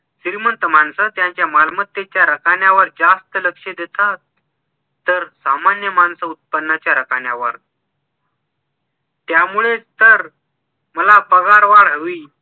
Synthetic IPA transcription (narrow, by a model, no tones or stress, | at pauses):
siɾmənt̪əmaɳsət̪jãɲt͡ɕjamalmət̪ːet͡ɕjaɾəkaɳjaʋəɾd͡zast̪ələkʂed̪et̪at̪ː | əɾsamanjəmansəut̪̚pənːat͡ɕjaɾəkaɳjaʋə̰ɾ | t̪jamuɭet͡st̪əɾ | məlabəɡaɾʋaɭɦəʋi